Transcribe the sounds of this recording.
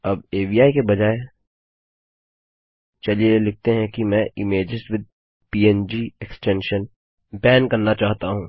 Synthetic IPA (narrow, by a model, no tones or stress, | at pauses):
ɐb̚eːbiaːikebɐd͡ʒaːe | t͡ʃɐlielɪk̚t̪eɦɛ̃kimɛ̃ʔɪmeːd͡ʒɪsʈʋɪd̪̚ | piːɛnd͡ʒieksʈɛ̃nʃən | bɛːnkɐɾnat͡ʃaːɦt̪aɦũː